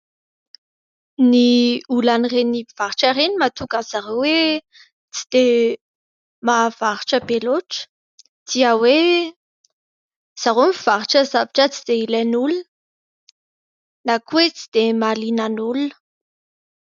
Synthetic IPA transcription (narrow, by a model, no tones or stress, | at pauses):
niulanireniv̥aɾiʈ͡ʂaɾenimat̪ukanz̥aɾowe | t͡si̥d̪̥e | mavaɾiʈ͡ʂəbeloʈ͡ʂə̥ | d̪̥iəwe | z̥aɾomivaɾiʈ͡ʂəzavaʈ͡ʂət͡sid̪̥eilenulunə | nakuwet͡si̥d̪̥emalinanulunə